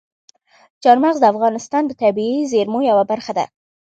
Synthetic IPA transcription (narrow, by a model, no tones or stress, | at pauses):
t͡ʃɑɾmaɣzd̪əafɣɑnɪst̪ɑnd̪ət̪abiizeɾmojawabaɾxad̪a̰